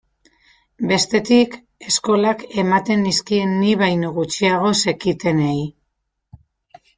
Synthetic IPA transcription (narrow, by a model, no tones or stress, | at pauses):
be̞st̪e̞t̪ik | e̞sko̞lake̞mat̪e̞nːiskie̞nːiβajnoɣut͡ʃiaɣ̞o̞se̞kit̪e̞nej